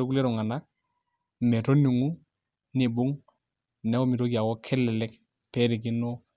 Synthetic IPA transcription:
o˦ku˦le˦ɾɔ˨ŋa˨na˦k̚ | me˨to˦ni˨ŋu˦ | ne˨bu˦ŋ | nɛ˨˦ko˦mi˨ɾo˦ki˨a˨wɔ˦kʰɛ˦lɛ˨lɛ˦k | pɛ˦ɾi˨k̬i˦no˦

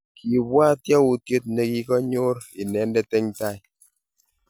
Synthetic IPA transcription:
kʰi˨bwa˦tjɔ˦u˨tje˦t̚ne˨ki˦kɔ˦ɲo˦ɾi˨nɛ˨˦ndɛ˦tɛ˦ŋta˦˨j

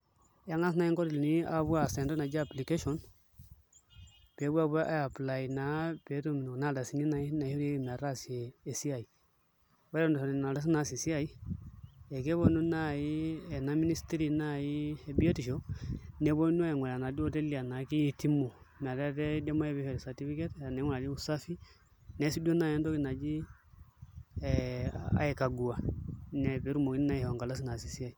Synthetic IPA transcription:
ja˦ŋa˦s̬na˨˦i˦ŋko˦ɾi˨lni˦a˦βu˦a˨se˨nto˦na˨d͡ʒa˦˨pli˨ke˦ʃo˨n | pe˨˦bu˦a˦˨bu˦a˦ʔa˦ja˨pla˨i˨na˦pe˨˦to˦m˨no˨na˦da˨si˨ni˦na˨i˦na˨i˦hu˦ɾe˦i˨m˨a˨ɾa˦si˨eː˨si˦a˨i˨ | we˦ɾo˦ndo˨fo˨n˨na˨da˦s̬i˦na˨si˨si˦a˦i˦ | e˨ke˦βo˨nu˦na˦ji˦ɛ˨na˨˦mi˦ni˦sti˦ɾi˨na˦ji˦ɛ˨bi˦e˦ti˨ʃo˦nɛ˨βo˦nu˦a˦ɛ˨ŋɛ˨la˨na˨di˦o˦tɛ˦li˨a˨na˨ki˦i˦ti˦mu˨m˨a˨tɛ˦tɛ˦dɛ˦mɔ˦ɛ˦βɛ˦hɔ˨ɾɛ˨sa˨ti˦fi˦kɛ˦ta˨nɛ˨˦ŋɛ˦la˨li˦u˨sa˦fi˦ | nɛ˨˦si˦du˦o˦na˦ɛ˦ndo˦ki˦na˨d͡ʒi˦ | a̰˨ɛ˨ka˨ɡu˨a˨nɛ˨βe˨˦ɾu˦mo˨ki˦ni˦na˦i˨hɔ˨ŋɡa˨la˦s̬i˦na˨si˨si˦a˨i˨

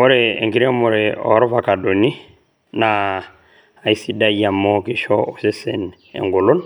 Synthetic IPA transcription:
o˦ɾeḛ˨ŋɡi˦ɾɛ˦mo˨ɾe˨ɔ̰˨˦ɾɔ˦va˨ka˨do˨ni˦ | naː˨ | i˦si˦da˦ja˨mɔ˦ki˨ʃɔ˦o˨se˦sɛ˨n | ɛ̰˨ŋɡo˨lo˦n

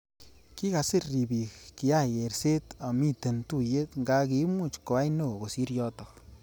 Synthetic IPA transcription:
ki˦ka˨sɪ˦ɾi˨bi˨kki˨a˦˨e˨ɾse˦t̪a˨mi˦˨t̪e˨nt̪u˦je˦t̪ŋɡa˧ki˨˦mu˦˨t͡ʃko˨a˦jno˦˨ɡo˨si˦ɾjɔ˦˧t̪ɔ˨

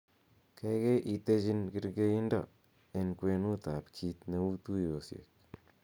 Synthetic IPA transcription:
kɛ˦ke˦ʔi˨t̪e˦t͡ʃi˦nkɪ˦ɾɡe˦i˦ndɔ̰˦˨ | e˨nkwe˧nu˦t̪a˨pkʰi˧t̪ne˨u˦t̪u˦o˨sjḛ˨k̚

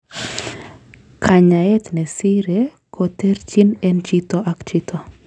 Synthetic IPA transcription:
kʰa˨ɲa˨ɛ˦t̪nɛ˨si˦ɾe | kʰot̪e˦ɾt͡ʃi˦nɛ˦nt͡ʃitɔʔa˦kt͡ʃit̪o˨

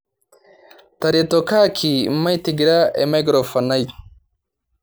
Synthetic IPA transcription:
t̪ɐ˨ɾet̪okʰaː˦kʰi˨ma˦jt̪iɡɾa˦ḛ˨ma˦ɡɾo˨fɐ˨na˦j

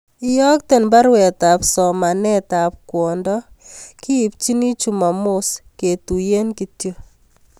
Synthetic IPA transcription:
ɪ˦jɔ˦k̚tɛ˨nba˦ɾwɛ˨ta˨psɔ˨ma˨nɛ˦ta˨p̚kwɔ˨ndɔ˦kɪ˦i˨p̚t͡ʃi˦ni˦t͡ʃu˦˨ma˨mʊ˦ske˨tu˨je˦nki˨tjo˦

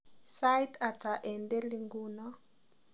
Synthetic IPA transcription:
sa˦jta˨ta˨ʔɛ˨nde˦li˨ŋɡu˦na˦

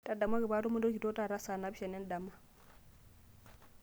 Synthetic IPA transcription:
ta˦da˨ma˦ɡi˨ba˦tu˦mu˦do˦ki˨to˦ta˦˨ɾa˦sa˨na˨˦bi˦ʃa˨ne˦nda˨ma˦

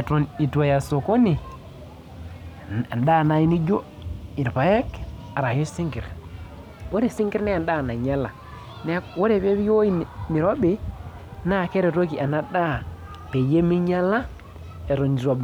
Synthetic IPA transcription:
tni˨ta˨ja˨so˨ko˦ni˨ | a˨nda˦˨na˨˦i˦ni˦d͡ʒo˦ | i˨ɾpa˨jɛ˦ka˨ɾa˨jo˦si˦ŋɡi˨ɾ | wo˦ɾe˨si˦ŋɡi˦ɾnɛ˦a˨nda˦˨na˨ɲa˦la˨ | nɛ˦wo˦ɾe˨βe˦βi˦o˦i˦n˨mi˨ɾo˦be˨ | na˦˨ke˦ɾe˨ɾo˦ki˨ʔa˨na˦da˦˨ | pe˨je˦mi˦ɲa˦la˦ | e˨ɾo˨nd͡ʒi˨ɾo˨b

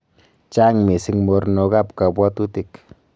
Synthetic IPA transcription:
t͡ʃa˦ŋmi˨si˦ŋmo˨˦ɾno˧ɡa˦pka˨bwa˦t̪u˦t̪i˦k

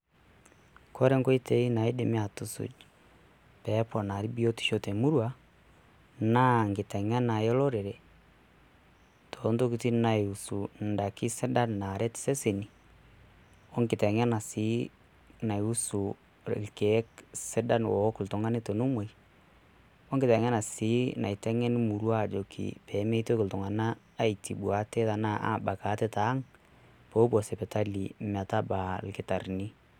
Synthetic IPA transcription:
kʰɔ˦ɾɛ˦ŋɡɔ˦i˦tɛ˦i˦na˨i˦de˨mi˦a˨tu˨sṵ˨d͡ʒ | pɛ˨˦pɔ˨na˨ɾi˦bi˦o˦ti̥˨ʃo˦tɛ˨mu˦ɾwa˦ | na˦ŋɡi˨tɛ˨ɲa˦na˨jɔ˦lɔ˦ɾɛ˨ɾɛ˨ | tʰo˦nto˦ki˨ti˦na˨i˨u˨su˨nda˨ki˦sɛ˦da˦n˨na˨ɾɛ˦ti̥˨sɛ˦se˨ni˨ | ɔ˦ŋɡi˨tɛ˨ɲa˦na˨si˨˦ | na˨ju˦su˨ | lkɛ˨˦ksɪ˦da˦nwɔ˨˦kʊ˨ltʊ˨ŋa˦nɪ˦to˨nu˦me˨j | ɔ˦ŋɡɪ˨tɛ˨ŋɛ˦na˨sɪ˦na̰˨i˨tɛ˦ŋɛ˦n˦mu˨ɾu˦a˦˨d͡ʒo˨kʰḭ˨pɛ˨˦me˦to˦kɪ˨ltʊ˨ŋa˨naː˦ | i˨ti˨bu˨a˨˦te˦ta˨na˦ʔa̰˦˨ba˨ka˨˦tɛ˦ta˨˦ŋ | po˦pɔ˨sɛ˨pɛ˨ta˦li˨mɛ˨ta˦ba˨lkɪ˦ta˨rni˦

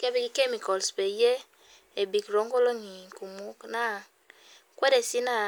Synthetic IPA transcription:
ke˦bi˨ki˨ke˦mi˨kɔ˨lsbe˨je˦ | e˨bi˨kɾo˨˦ŋɡo˦lo˦ŋi˨ku˨mu˦kna˦ | kwɛ˦de˨si˦na˦

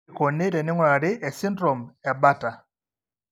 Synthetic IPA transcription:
ko˨ne˦ɾɛ˨nɪ˦ŋwa˨a˨ɾɪ˦ʔɛ˨si˦ndɾɔ˨mɛ˨ba˦ta˨

